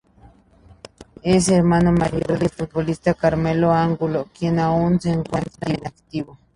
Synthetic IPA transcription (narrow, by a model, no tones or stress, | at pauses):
es̬eɾmanomaɾjoɾoðesfut̪̚βolist̪akaɾmeloaŋɡulokjenaunseŋkwant̪ɾienakt̪iβo